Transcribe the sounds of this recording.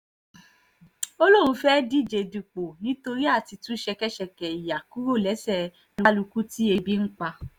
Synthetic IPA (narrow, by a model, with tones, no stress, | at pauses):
o˦lo˦ɾ̃ũ˧fɛ˦di˦˨d͡ʒe˨˧du˨k͡po˨nĩ˨˦to˧ɾi˦a˦˨ti˧tũ˦ʃɛ˧kɛ˦ʃɛ˨kɛ˨i˨ja˨ku˦ɾo˦˨lɛ˨˦sɛ˦˨ | lu˦lu˧ku˦ti˦e˧bi˦n̩˦k͡pa˧